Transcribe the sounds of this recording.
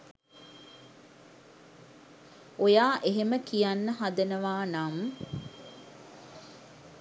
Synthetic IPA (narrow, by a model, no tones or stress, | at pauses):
ojaːʔeɦeməkijanːəɦad̪ənəʋaːnam